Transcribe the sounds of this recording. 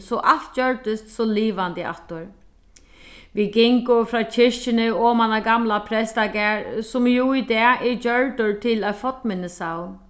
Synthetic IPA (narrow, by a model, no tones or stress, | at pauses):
sɔʔalt̪̚d͡ʒœɹt̪ɪst̪sɔliːʋant̪ɪa̰ht̪ʊɹ | ʋiɡɪŋkʊfɾaːt͡ɕʰɪʂt͡ʃɪnɪɔːmanaɡamlapʰɾɛst̪aɡɛːɹsʊmjuid̪ɛːʔɪd͡ʒœɹt̪ʊɹt̪ʰɪlafɔt̪mɪnɪsaw